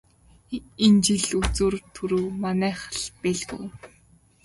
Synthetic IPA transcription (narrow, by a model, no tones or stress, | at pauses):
ent͡ɕiɮut͡suːrt̪ʰɵɾŭwmanæːχə̥̆ɮpæɮɣṵw